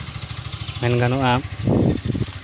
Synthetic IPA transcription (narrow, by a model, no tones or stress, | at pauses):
mɛnɡanɔʔa